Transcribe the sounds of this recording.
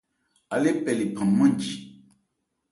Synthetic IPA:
a˨le˦pɛ˨li˨pʰã˨mːã˦ɲd͡ʒi˨

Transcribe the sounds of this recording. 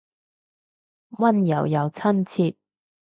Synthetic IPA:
wɐ˥njɐ˨˩wjɐ˨˧wt͡sʰɐ˥nt͡sʰiː˧t̚

